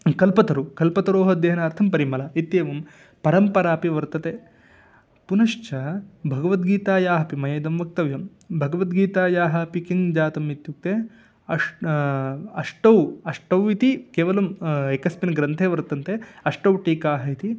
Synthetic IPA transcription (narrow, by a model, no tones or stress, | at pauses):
kɐlpɐt̪ɐɾukɐlpɐt̪ɐɾoːɦɐd̪eːɐnaːɾt̪ʰɐmpɐɾimɐlɐit̪jeːʋɐm | pɐɾɐmpɐɾaːpiʋɐɾt̪ɐt̪e | punɐʃt͡ʃɐbʱɐɡɐʋɐt̪̚ɡiːt̪aːjaːɦɐpimɐjɐjd̪ɐmʋɐk̚t̪ɐʋjɐm | bʱɐɡɐʋɐt̪ɡiːt̪aːjaːɦɐpikind͡ʒaːt̪ɐmit̪juk̚t̪e | ɐʂ | ɐʂʈɐwɐʂʈɐwit̪ikeːʋɐlɐmekɐspinɡɾɐnt̪ʰeːʋɐɾt̪ɐnt̪eɐʂʈɐwʈiːkaːɦɐit̪i